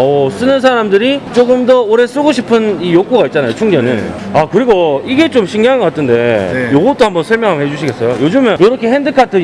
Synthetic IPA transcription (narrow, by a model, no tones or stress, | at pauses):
ʌs͈ɯnɯns̬ʰaɾamdɯɾit͡ɕ͈oɡɯmdʌoɾes͈ɯɡoɕʰipʰɯnijok͈oɡait̚t͡ɕ͈anajot͡ɕʰuŋd͡ʑʌnɯ̰nakɯɾiɡoiɡe̞t͡ɕ͈omɕʰiŋɡjaŋɡʌk͈atʰɯnde̞joɡʌt͈ohambʌnsʰʌɭmjʌŋɦamɦed͡ʑuɕʰiɡe̞s͈ʌjojod͡ʑɯmjʌnjoɾʌkʰe̞ɦendɯkʰatʰɯ